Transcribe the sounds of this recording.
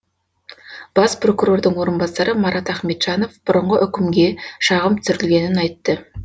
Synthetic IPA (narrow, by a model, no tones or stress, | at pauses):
b̥ɑspro̞kuɾo̞rd̪əɴwo̞ɾənbɑsɑɾəmɑɾʔɑt̪æχme̞t̪ʒ̥ɑno̞fb̥ʊɾəɴʁəʔʏkʲɪmɡʲe̞ʃɑʁəmt̪ʰsʏɾɪlɡʲe̞nɪnɑjt̪ːə